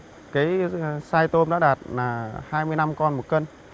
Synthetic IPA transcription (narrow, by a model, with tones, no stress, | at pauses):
kaː˨˦jsaː˧jt̪o˧mɗa̰ː˧˥ɗaː˨˩t̚laː˨˩haː˧jmɨ˧əjna˧mkɔ˧nmo˨˩t̚kə˧n